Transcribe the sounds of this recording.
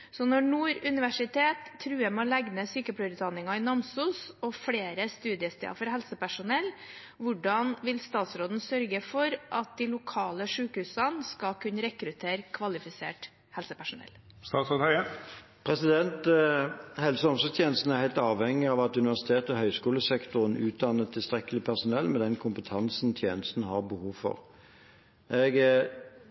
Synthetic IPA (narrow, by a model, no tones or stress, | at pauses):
sɔnɔɳuːɾʉnɪʋæʂɪt̪ʰeːt̪ʰːɾʉːjæmɔlæɡnəsyːkəpʰɽœɾʉːt̪d̪ɑnːɪŋɑɪnɑmsuːsɔfɽeːɾəst̪ʉːd̪ɪəst̪ɛ̰ɑ̰fɔɾɦɛlsəpæʂʊnɛl | ʋʊɖɑnʋɪlst̪ɑːt̪sɾoːd̪n̩sœɾɡəfɔɾʔɑt̪̚d̪ɪlʊkʰɑːləʂʉːkhʉːsɑnskɑkʰʉnəɾɛkɾʉt̪ʰeːɾkʰʋɑlɪfɪsḛːʈ | hɛlsəpæʂʊnɛ̰l | st̪ɑːt̪sɾoːd̪hœə | pʰʁɛsɪd̪ɛnt̪ | hɛlsəɔmsɔt̪ʰjeːnəst̪n̩æʁhæɪt̪ɑːʋhɛŋːɪɑʋɑt̪ʉnɪʋæʁsɪ̥t̪ʰeːt̪ɔhœʏskuːləsɛkt̪ʊʁənʉːt̪̚d̪ɑnːət̪ʰːɪlst̪ʁɛkːəlɪpʰæʁsʊnɛlːmɛd̪ɛnkʰʊmpət̪ʰɑnsn̩t̪ʰjeːnəst̪n̩hɑʁbəhuːʋfɔ̰ʁ | ʔɛɡ